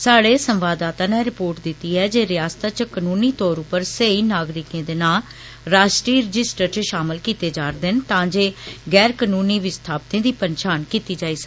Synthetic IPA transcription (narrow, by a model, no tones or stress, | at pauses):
saːɽeːsə̃mʋaːd̪aːt̪ãːnɛːɾɪpoːɾʈd̪ɪt̪ːiːɦɛːd͡ʒeːɾɪjaːst̪ãːt͡ʃkənuːniːt̪ɔːɾʊpəɾseiːnaːɡɾɪkẽːd̪eːnaːl | ɾaːʃʈɾiːɾəd͡ʒɪsʈəɾt͡ʃəʃaːmɪlkiːt̪eːd͡ʒaːɾd̪ɪnt̪ãːd͡ʒeːɡɛːɾkənuːniːʋɪst̪ʰaːp̚t̪ẽːd̪iːpəɲt͡ʃaːnkiːt̪iːd͡ʒaːiːs